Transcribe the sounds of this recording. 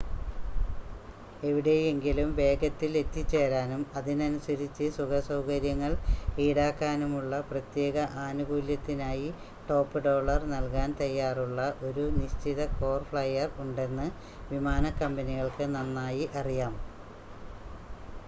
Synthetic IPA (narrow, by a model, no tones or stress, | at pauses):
e̞ʋiɽe̞je̞ŋɡilumʋe̞ːɡɐt̪ːile̞t̪ːit͡ɕːe̞ːɾaːnumɐðinɐnusɐɾit͡ɕːɨsuɡɐsɐwkɐɾjɐŋːɐɭiːɽaːkːaːnumuɭːɐprɐt̪je̞ːɣɐʔaːnubuːljɐt̪ːinaːji | ʈo̞ːpːɨɖo̞ːɭɐrnɐlkaːnt̪ɐjːaːruɭːɐʔo̞ɾuniɕt͡ɕiðɐko̞ːrfɭɐjːɐruɳɖe̞nːɨ | ʋimaːnɐkːɐmbɐniɣɐɭkɨnɐnːaːjiʔɐrijaːm